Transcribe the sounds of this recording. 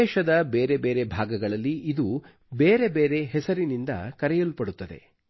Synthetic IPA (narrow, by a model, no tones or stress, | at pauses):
ɛːʃɐd̪ɐbeːɾe̞beːɾe̞bʱaːɡɐɡɐɭɐlːiid̪u | beːɾe̞beːɾe̞ɦɛsɐɾinind̪ɐ̰kɐɾɛjɐlpɐɽut̪ːɐd̪e̞̰